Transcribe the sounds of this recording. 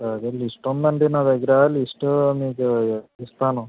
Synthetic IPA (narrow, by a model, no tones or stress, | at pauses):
saɐd̪eːlisʈund̪ɐɳɖenaːd̪ɐɡɐɾalisʈumiːkuist̪aːnu